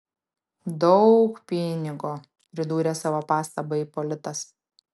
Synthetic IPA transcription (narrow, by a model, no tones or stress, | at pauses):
d̪ɒʊkpʲɪnʲɪɡo | pʲɾʲɪd̪uːɾʲesɑːʋoːpɑːst̪ɐbɐipɔlʲɪt̪ɐs